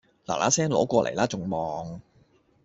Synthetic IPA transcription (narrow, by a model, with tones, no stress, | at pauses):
la̰ː˨˩lʔaː˨˥sɛː˥ŋlɔː˨˥kʷɔː˧lʔe˨˩jlaː˥t͡sʊ˨ŋmɔː˨ŋ